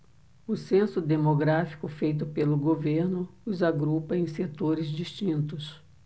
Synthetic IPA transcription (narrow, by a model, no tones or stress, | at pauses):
ʊsẽsʊd̪emoɡɾafi̥kʊfejt̪ʊpelʊɡoveɾnʊʊzaɡɾupɐẽj̃set̪oɾɪzd͡ʒist͡ʃĩnt̪ʊs